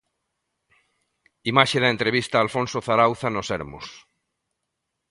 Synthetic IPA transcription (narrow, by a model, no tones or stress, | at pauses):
imaʃeðaent̪ɾeβ̞ist̪aːlfõnsoθaɾawθanoseɾmo̰s